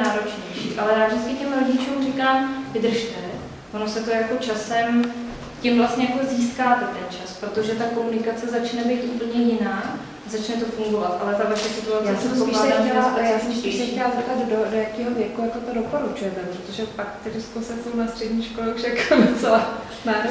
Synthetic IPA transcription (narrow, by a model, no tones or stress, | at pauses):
aːɾo̞t͡ʃɲɛjʃiːʔalɛjaːvʒdɪt͡skɪcɛmɾoɟɪt͡ʃuːmrɪkaːmvɪd̪r̩ʃt̪ɛ | vono̞sɛt̪o̞jako̞t͡ʃasɛm | cɪmvlast̪ɲɛjako̞ziːskaːt̪ɛt̪ɛnt͡ʃaspɾot̪o̞ʒɛt̪ako̞munɪkat͡sɛzat͡ʃnɛbɛjt̪ʔuːpl̩ɲɛjɪnaː | zat͡ʃnɛt̪o̞fuŋɡo̞vat̪ʔalɛt̪avaʃɛt͡sɛt̪olajaaːsɛɛoilaːdamɟɛlaːʔjjaːsɛmspiʃsɛxcɛlazɛp̚t̪ad̪dodojakiːɦovjɛkujakot̪odo̞poɾut͡ʃujɛt̪ɛpɾot̪oʒɛpakt̪ɛdɪskosɛsownast̪r̥ɛdɲiːʃkolɛuʃakvot͡sɛla | naː